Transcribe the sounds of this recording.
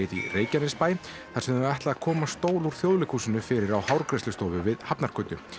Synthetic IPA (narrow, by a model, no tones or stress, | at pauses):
ɪðḭreːjcanɪspaːj | θaɾsɛmɛht̪laðakʰɔːmast̪oːwluɾ̥θjowðlɪkhuːsɪnʏfɪɾɪɾawhawɾkɾɛst̪ʏst̪ɔːvʏvɪðhapnaɾ̥kʰœjt̪ʏ